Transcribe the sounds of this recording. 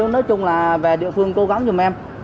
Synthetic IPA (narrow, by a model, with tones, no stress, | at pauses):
nɔː˨˦jt͡ɕʊ˧ŋ͡mlaː˨˩ve˨˩ɗḭ˧˨əfɨ˧əŋko˨˦ɣa˨˦ŋŋ͡mzʊ˨˩mʔɛ˧m